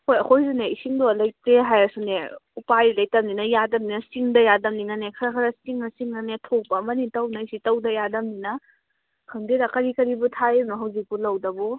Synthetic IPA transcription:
kʰojɐkʰojzuneisiŋdolɐjtɾeɦajɐsuneupajlɐj̚tɐmninɐjadɐmninɐsiŋdɐjadɐmninanekʰɐɾɐkʰɐɾɐsiŋnɐsiŋnɐnetʰopɐmɐnitɐwnajsitɐwdɐjadɐmninɐ | kʰɐŋdeɾakɐɾikɐɾibutʰajenuɦɐwzik̚bulɐwdɐbu

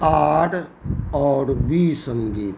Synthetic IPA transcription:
aːʈʰɔːɾbiːsə̃ŋɡiːt̪

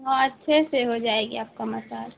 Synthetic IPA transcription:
ɦɔɐtːʃʰeseɦod͡ʒaːeːɡiaːp̚kamɐsaːl

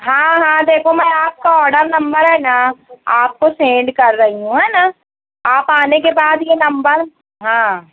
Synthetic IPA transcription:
ɦãːɦãːd̪eːkʰomɛ̃ːaːp̚kaɔːɖəɾnɐ̃mbəɾɦɛːnaaːp̚kosẽːɳɖkɐɾːɐɦiɦũɦɛːna | aːpaːnekebaːd̪jenɐ̃mbəɾ | ɦãː

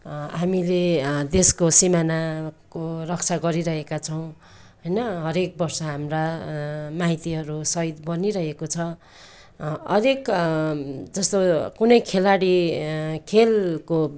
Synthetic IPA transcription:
ɦamiled̪eskosimanakorʌkt͡sʰaɡʌɾiɾʌɦekat͡sʰʌw̃ | ɦʌjnʌɦʌɾek̚bʌrsʌɦamra | maɦit̪iɦʌɾusʌjd̪bʌniɾʌɦekot͡sʰʌ | ʌɾek | d͡zʌst̪okunʌjkʰelaɽi | kʰelko

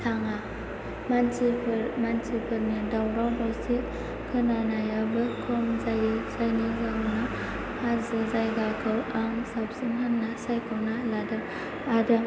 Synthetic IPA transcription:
tʰaŋa | mansimansipʰɯɾnidawɾawdɔsiʔ | kʰɯnanajabɯkʰɔmzajzajnizawna | hazɯzajɡakʰɯwaŋsapsɯnɦanːasajkʰɔwnaladɯ | adɯ

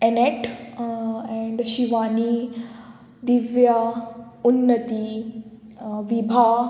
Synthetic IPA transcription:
ɛneʈ | ɛ̃ɳɖʃiʋaːni | d̪ɪʋjaʊnːət̪i | ʋibʱaː

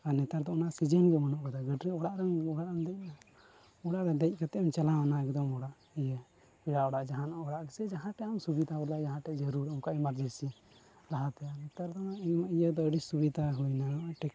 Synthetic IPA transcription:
anɛt̪aɾd̪ɔɔnaʔsid͡ʒənɡɔmanɔʔkad̪aɡəɖɾɛɔɽaʔɾɛɡaɽamd̪ɛc̚na | ɔɽaʔɾɛd̪ɛc̚ˀkat̪ɛʔmt͡ʃalaanaɛkd̪ɔmɔɽaʔ | ɛjə | biɽaʔɔɽaʔd͡ʒaɦãnaɔɽaʔɡɛsɛd͡ʒaɦãʈɛamsubid̪ʱabɔlad͡ʒaɦãʈɛʔd͡ʒəɾuɾɔmkaʔimaɾd͡ʒəsi | ɾaɦat̪ɛjanɛt̪aɾd̪ɔnaʔijəd̪ɔəɽit͡ʃsubid̪aɦujnaʈɛk

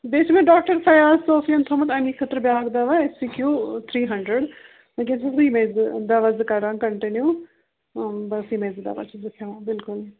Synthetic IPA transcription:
b̪eːt͡ʃmẽɖɔːk̚ʈəɾpʰɐjaːsoːsiə̃nt̪ʰoːmət̪ɐniːkʰət̪ɾbjaːɡd̪aːʋaesiːkjuːt̪ʰɾiːɦɐɳɖɾəɖ | mekẽnssiːmeːzd̪aːʋazkaɾãkəɳʈɪnjuː | bɐsiːmeːzd̪a̰ːʋa̰t͡ʃzɪkʰjãbɪlkʊl

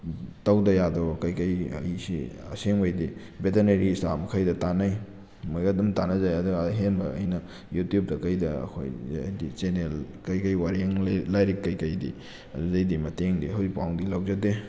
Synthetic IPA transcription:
tɐwdɐjadokɐjkɐjɐ̰jsiɐ̰seŋwajdi | beteneɾista̰mɐkʰajdɐtanɐj | mojɡadɐmtanɐzajadoɦenbɐ̰ːjnɐ | jutjup̚dɐkɐjdɐɐ̰kʰo̰j̰jdit͡ʃenel | kɐjkɐjwaɾiaŋlajɾikːɐjkɐjdḭ | ɐ̰duzɐjdimɐteŋdiɦawzik̚pawŋdilawzade

